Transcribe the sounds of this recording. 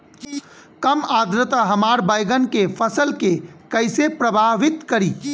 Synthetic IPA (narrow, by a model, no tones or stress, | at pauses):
kɐmaːd̪ɾɪt̪aɦɐmaːɾbajɡənkefʰəsəlkekɐɪsepɾəbʱaːʋɪt̪kɐɾiː